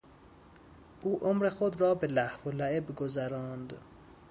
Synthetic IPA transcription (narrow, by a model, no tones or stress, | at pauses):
ʔuːʔomɾexod̪rɒːbe̞læhvolæebɡozæɾɒːnd̪